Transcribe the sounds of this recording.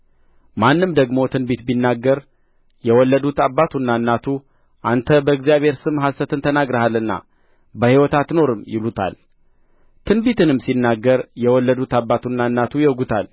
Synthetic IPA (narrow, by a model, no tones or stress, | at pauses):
manːɨmd̪əɡmo̞t̪ʰɨnbit̪binːaɡːəɾ | jɛwɔlːəd̪ut̪abːat̪ʰunːanːat̪ʰu | ʔant̪ʰəbəɨɡzijaβe̞ɾsɨmɦast̪ət̪ɨnt̪ʰənaɡɾəhalːɨnːa̰ | bəhiwɔt̪ʰat̪no̞ɾɨmjɪlut̪ʰa̰l | t̪ʰɨnbit̪ʰɨnɨmːsinːaɡːəɾjɛwɔlːəd̪ut̪abːat̪unːanːat̪ʰujɛɡut̪ʰal